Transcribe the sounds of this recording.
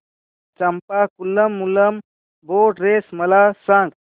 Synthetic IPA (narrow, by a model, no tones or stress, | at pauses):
t͡ʃəmpakulːəmːuləm | bʱoʈɾesməlasãŋɡ